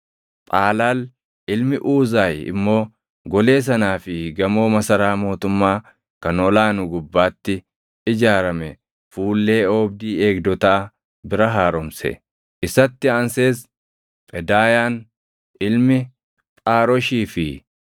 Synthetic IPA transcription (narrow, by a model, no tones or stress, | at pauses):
t̪ʼaːlaːl | ʔɪlmɪʔuːzaːjɪ̰mːo̞ː | ɡɔle̞ːs̬ɐnaːfɪɡɐmo̞ːmɐsɐɾaːmo̞ːt̪ʊmːaː | kɐnɔlaːnʊɡʊbːaːt̪ːɪ | ɪd͡ʒaːɾɐmɛ | fuːlːe̞ːoːb̚d̪iːe̞ːkd̪ɔt̪aː | bɪɾɐɦaːɾɔmsɛ̰ | ʔɪsɐt̪ːɪanse̞ːs | pʼɛd̪aːjaːn | ʔɪlmɪ | pʼaːɾɔʃiːfɪ